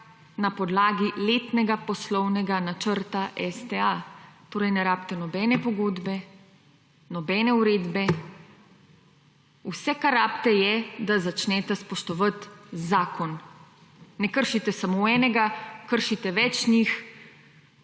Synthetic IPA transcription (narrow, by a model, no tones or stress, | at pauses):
napɔd̪laːɡileːt̪nɛɡapɔslɔwnɛɡanat͡ʃəɾt̪aʔɛst̪ɛat̪oːɾɛjnɛɾapt̪ɛnɔbɛːnɛpɔɡoːd̪bɛ | nɔbɛːnɛuɾeːd̪bɛ | usɛkaɾːaːpt̪ɛjɛd̪azat͡ʃnɛt̪ɛspɔʃt̪ɔʋat̪zaːkɔnː | ɛkəɾʃit̪ɛsamoɛːnɛɡakəɾʃit̪ɛʋɛt͡ʃnix